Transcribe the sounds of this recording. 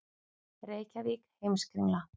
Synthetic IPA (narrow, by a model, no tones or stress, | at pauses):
ɾeːjcavikhejmskɾiŋla